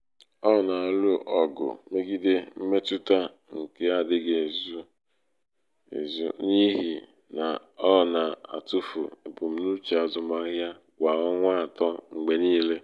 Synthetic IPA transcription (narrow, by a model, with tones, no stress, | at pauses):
ɔ˦˨na˨lu˦ʔɔ˨ɡʊ̰˨me˦ɡi˦de˦m̩˦me˦tu˦ta˦ | ŋ̩˨ke˨a˨dɪ˦ɡe˨zu˦ | ḛ˨zṵ˦ni˦ɦi˨ | na˨ | ɔ˦˨na˨a̰˨tu˦fṵ˨e˨bu˨m̩˦nu˦t͡ʃe˨a˨zʊ˨ma˦ɣa˦ | kʷa˨ɔ˦ŋʷa˦˨tɔ˦ŋ͡m̩˨ɡ͡be˨niː˦le˦